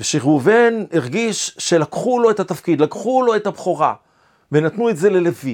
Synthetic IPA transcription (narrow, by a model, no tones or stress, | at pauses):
veʃiʁuveniʁɡiʃʃe̞lakχulo̞ethat̪afkid̪lakχulo̞ethabχoʁa̰ | venat̪nuetze̞le̞levi